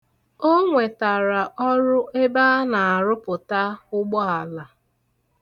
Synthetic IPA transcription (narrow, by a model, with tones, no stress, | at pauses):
o˦ŋʷe˨ta˨ɾa˨ʔɔ˦ɾʊ˦ʔe˦ba˦na˨a˨ɾʊ˦pʊ˨ta˦ʊ˦ɡ͡bɔ˦a˨la˨